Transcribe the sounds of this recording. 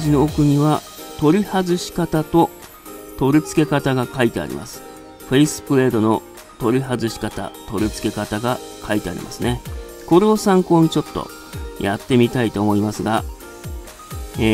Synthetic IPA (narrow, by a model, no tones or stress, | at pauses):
ʑino̞ːkɯ̟ɲ̟iβa | t̪o̞ɾʲihazɨɕi̥kat̪at̪o̞ | t̪o̞ɾʲɯ̟t͡sɨ̥ke̞kat̪aɡakait̪e̞a̰ɾʲḭma̰sɨ̥ | ɸe̞isɨ̥pɯ̟ɾe̞ːd̪o̞no̞ | t̪o̞ɾʲiɦazɨɕi̥kat̪a̰t̪o̞ɾʲit͡sɨ̥ke̞kat̪aɡakʰait̪e̞a̰ɾʲḭmʔa̰sɨne̞ | ko̞ɾeosãŋko̞ːɲ̟it͡ɕo̞t̪ːo̰ | jʔat̪ːe̞mʲit̪ait̪o̞ːmo̞imasɨɡa | e